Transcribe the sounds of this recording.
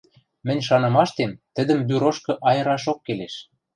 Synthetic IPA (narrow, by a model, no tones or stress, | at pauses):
mɘ̆nʲʃɑnɤ̆mɑʃt̪emt̪ə̆d̪ə̆mbyɾoʃkɤ̆ʔɑjɤ̆ɾɑʃokːeleʃ